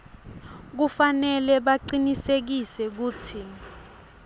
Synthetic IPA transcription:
k̬ufanɛlɛɓaǃinisek̬isɛk̬uːt͡sʰi

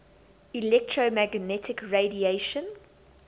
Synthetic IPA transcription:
ilɛk̚tʰɹomæɡnɛtʰɪkɹedieʃə̃n

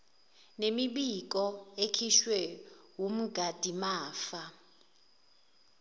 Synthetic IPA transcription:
nemiɓik̬ʼɔekʰiʃwɛwum̩ɡʱad̥ʱimaːfa

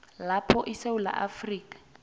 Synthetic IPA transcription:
lapʰɔʔiseula̰ʔafriːkʼḁ

